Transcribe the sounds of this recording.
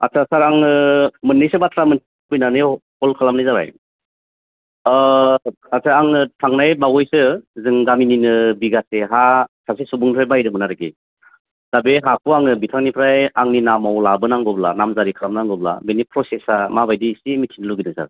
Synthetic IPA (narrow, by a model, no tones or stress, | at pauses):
a̰sʰasaɾaŋɯmɯnːɯjsɯbatʰɾamɯn | pujnanɯjhɔlkʰalamnɯjzaɾa̰j | asʰaaŋɯtʰaŋnajbaɡɔjsɯzɯŋɡamininɯbiɡaseɦasʰas̬esubuŋpʰɾajbajɾɯmɯnaɾɯɡḭ | d̥abeɦakʰuaŋɯbitʰaŋnipʰɾajaŋninamawlabɯnaŋɡɔbla̰namzaɾikʰalamnaŋɡɔbla̰benipʰɾɔsesamabajdisimitʰinluɡinɯza̰